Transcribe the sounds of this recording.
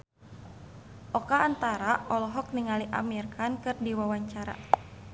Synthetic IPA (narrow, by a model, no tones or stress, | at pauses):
ʔɔkaːnt̪aɾaʔɔlɔɦɔk̚niŋaliʔa̰mirkʰankɨrdiwawaɲt͡ʃaɾa̰